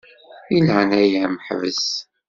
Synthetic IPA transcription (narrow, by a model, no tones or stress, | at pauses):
ilʕnæjæməħvə̰s